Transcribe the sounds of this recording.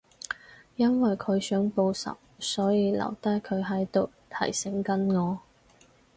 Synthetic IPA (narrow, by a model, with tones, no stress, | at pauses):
jɐ˥nwɐ˨jkʰɵ˨˧ɥsœː˨˥ŋpo˧wsɐ̰˨˩w̚sɔː˨˥jiː˧lɐ̰˨˩wt̪ɐ˥jkʰɵ˨˧ɥɦɐ˨˥jt̪o˨w | t̪ʰɐ̰˨˩jsɪ˨˥ŋkɐ˥nŋɔː˨˧